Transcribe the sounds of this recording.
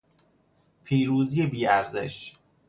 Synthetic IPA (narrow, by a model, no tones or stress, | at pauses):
pʰiːɾuːzijebiːæɾze̞̰ʃ